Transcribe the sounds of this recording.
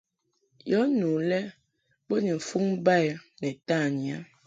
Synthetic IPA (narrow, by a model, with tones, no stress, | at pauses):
jɔ˨˦nu˨lɛ˦ | bo˦ni˨fu˦ŋ˦ba˦˨jnɛ˨ta˦˨ɲi˨a˨˦